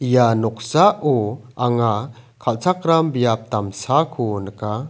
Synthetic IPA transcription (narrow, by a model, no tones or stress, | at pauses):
ijanɔk̚saʔɔaŋa | kʰalt͡sʰak̚ɾambijap̚t̪amsakʰunəka